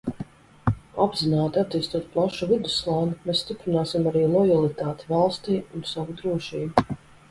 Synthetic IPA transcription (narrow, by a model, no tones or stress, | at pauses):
abzinaːt̪at̪iːst̪uɔt̪̚plˠaʃuvid̪uslˠaːnimeːsst̪ipɾinaːsimaɾiːlˠɔjalˠit̪aːt̪i̥valˠst̪iːunsavud̪ɾuɔʃiːbu